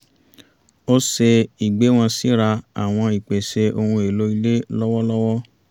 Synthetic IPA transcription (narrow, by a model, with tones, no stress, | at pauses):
o˦se˧i˨ɡ͡be˨˦w̃ɔ̃˧si˨˦ɾa˧a̰˨w̃ɔ̃˧i˨k͡pe˨se˧o˧hũ˧e˨lo˨˦i˧le˦lɔ˦wɔ˦lɔ˦wɔ˦